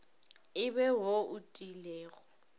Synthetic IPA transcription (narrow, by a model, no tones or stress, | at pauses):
ɪbɛɦoʔʊtʼilɛːɣɔ